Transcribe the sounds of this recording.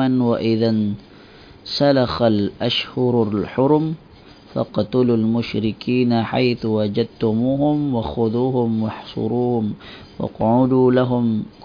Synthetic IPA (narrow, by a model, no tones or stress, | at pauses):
anwaʔɪðan | salaxalʔaʃhʊɾalħʊɾm | fɑ̰qt̪ʊlulmʊʃɾɪkiːnaħa̰jθwad͡ʒad̪̚t̪ʊmuːhʊmwaxʊðuːhʊmwɑħsˤʊ̰ɾuːhʊm | wɑ̰qʕʊd̪uːlaɦʊmk